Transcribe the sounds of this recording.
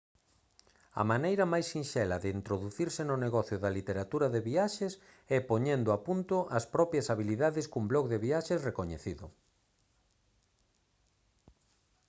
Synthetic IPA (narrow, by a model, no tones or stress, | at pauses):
ɐ̰manejɾɐmajsːinʃɛlɐðɪint̪ɾoðuθiɾsɪnʊneɣɔθjʊðɐlit̪eɾat̪uɾɐðeβiaʃes | ɛpoɲɛnd̪ʊapunt̪ʊʔɐspɾɔpjɐsaβiliðaðɪskumblɔkðeβiaʃesrekoɲḛθiðʊ̰